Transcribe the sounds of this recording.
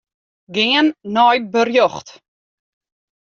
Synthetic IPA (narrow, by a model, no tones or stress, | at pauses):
ɡeːənːɔjbərjɔχt